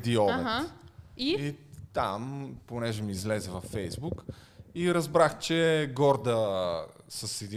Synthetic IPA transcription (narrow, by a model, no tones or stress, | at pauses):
d̪iɔn | iit̪amponɛʒɛmiːzlɛzɛvɐfːɛjzbuk | iɾɐzbɾaxt͡ʃɛɡɔɾd̪ə | səsid̪i